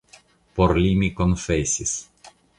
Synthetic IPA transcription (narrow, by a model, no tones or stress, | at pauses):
poɾlimikonfesʲis